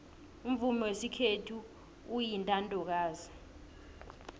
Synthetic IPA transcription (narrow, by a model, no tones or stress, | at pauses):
um̩vumɛwesikʰetʰu | ujintʼantʼɔk̬aːzi